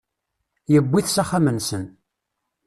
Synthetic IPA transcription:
jəbʷːiθsæχamənsən

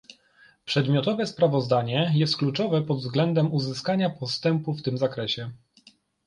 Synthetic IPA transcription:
pʂɛd̪mʲjɔt̪ɔvɛspɾavɔzd̪aɲɛjɛst̪̚klut͡ʂɔvɛpɔd̪vzɡlɛnd̪ɛmuzɘskaɲapɔst̪ɛmpuft̪ɘmzakɾɛɕɛ

